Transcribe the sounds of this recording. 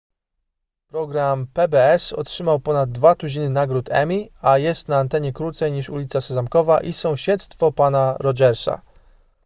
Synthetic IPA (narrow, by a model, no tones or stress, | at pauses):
pɾɔɡɾampɛbɛɛsɔ̰tʂɘmawpɔnad̪̚ːvat̪uʑinɘnaɡɾut̪ʰɛ̰mʲiajɛst̪naːnt̪ɛɲɛkɾut̪sɛjɲiʂulʲit̪sasɛzamkɔvaʔisɔ̃w̃ɕɛt̪st̪fɔpanaɾɔd͡ʒɛɾsa̰